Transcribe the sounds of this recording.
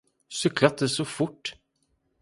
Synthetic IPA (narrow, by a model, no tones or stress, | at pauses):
sʏklat̪̚d̪ɛsɔfʊʈː